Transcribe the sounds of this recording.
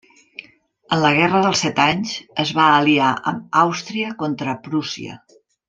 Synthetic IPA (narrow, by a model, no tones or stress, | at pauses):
ənləɣ̞ɛrəðəlˠsɛt̪aɲzəzβaːliaʔə̰mawst̪ɾiəkont̪ɾəpɾusḭə̰